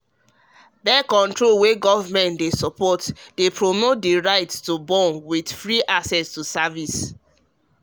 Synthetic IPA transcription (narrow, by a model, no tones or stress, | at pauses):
bɛkɔ̃ntɹolweɡɔvamɛ̃ntdesɔpɔtdepɹomot̚diɹaɪtstubɔ̃nwidfɹiʔaksɛstusavis